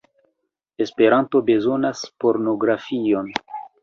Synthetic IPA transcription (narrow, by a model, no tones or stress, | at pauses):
espe̞ɾanto̞be̞zo̞naspo̞ɾno̞ɡɾafio̞n